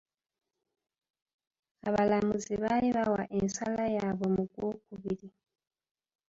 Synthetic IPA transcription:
aβalamuziβaliβawaʔensalajaβo̞muɡwokuβiɾi

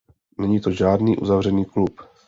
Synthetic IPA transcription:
nɛɲiːt̪oʒaːdniːʔṵzavr̝ɛniːklup

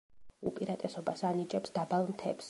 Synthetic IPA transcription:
upʼiɾat̪ʼɛsɔbasanit͡ʃʼɛpsd̪abalˠmt̪ʰɛps

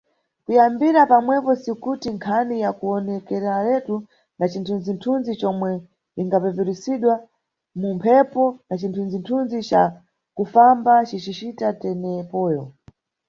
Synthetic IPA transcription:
kujambiɾapamwɛpɔsikutiŋkʰanijakuɔnɛkɛɾɛalɛtu | nat͡ʃintʰunzintʰunzit͡ʃɔmwɛ | iŋɡapɛvɛɾisiɗwa | mumpʰɛpɔnat͡ʃintʰunzintʰunzit͡ʃa | kufambat͡ʃit͡ʃit͡ʃitatɛnɛpɔːjɔ

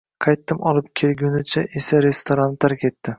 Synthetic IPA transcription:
qʰɑjt̪ːɪmɒlˠɪpkʲʰelɡʲʊnɪt͡ʃʰaʔe̞saɾe̞st̪ʰoɾant̪ʰaɾkʲe̞tt̪ːɪ

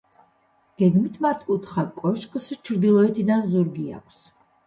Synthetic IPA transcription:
ɡ̥ɛɡmit̪ʰmaɾt̪ʰkʼut̪ʰχakʼɔʃkʼst͡ʃʰɾd̪ilˠɔɛt̪ʰid̪anzuɾɡia̰kʰs

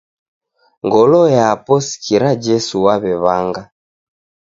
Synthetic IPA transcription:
ŋɡɔlɔjapɔsi̥kiɾad͡ʒɛsuwaβɛβaŋɡa

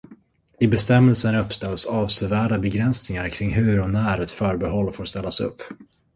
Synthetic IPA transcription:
ɪbɛst̪ɛmːɛlsənɵpːst̪ɛlsɑːvsœvæːɖabɛɡɾɛnsnɪŋaɾkʰɾɪŋːɦɵ̟ɾɔnæːɾɛt̪fœːɾbɛɦɔlːfoːɾʂt̪ɛlːasɵ̰pː

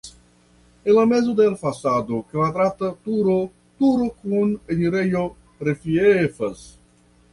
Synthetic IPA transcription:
enlamezod̪elfasad̪oklad̪ɾat̪ɐt̪uɾo | t̪uɾokuneniɾejo | ɾefiefɐs

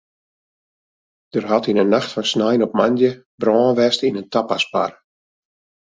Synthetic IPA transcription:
d̥ərɦatinənːaxtfɔnsnajnɔp̚mandjə | brɔːnʋɛstəinəntapaspar

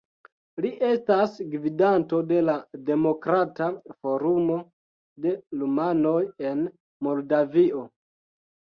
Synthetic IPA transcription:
liʔe̞stasɡvidanto̞de̞lade̞mo̞kɾatafo̞ɾumo̞ | de̞lumano̞je̞n | mo̞ldavio̞

